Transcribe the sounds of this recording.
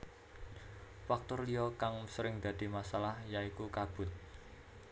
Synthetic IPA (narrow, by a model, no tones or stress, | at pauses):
fak̚t̪ʊrlijɔkaŋsəɾɪŋd̪̥ä̤d̪̥i̤masalahjaikukab̥ʊ̤t̪̚